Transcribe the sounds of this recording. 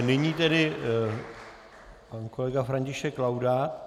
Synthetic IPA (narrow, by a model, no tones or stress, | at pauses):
nɪɲiːt̪ɛdɪ | pankolɛɡafɾaɲcɪʃɛkːlawda